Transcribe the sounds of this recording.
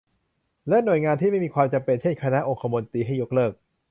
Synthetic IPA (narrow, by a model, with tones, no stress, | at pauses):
lɛ˦˥nu˨˩jŋaː˧nt̪ʰiː˥˩ma˥˩jmiː˧kʰwaː˧mt͡ɕa˧mpe˧nt͡ɕʰe˥˩nkʰa˧na˦˥ʔo˧ŋkʰa˧mo˧nt̪iː˧ɦa˥˩jo˦˥k̚lɤː˥˩k̚